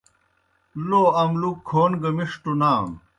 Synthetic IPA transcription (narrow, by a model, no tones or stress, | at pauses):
loɐmlukʰːoːnɡɐmiʂʈunaːm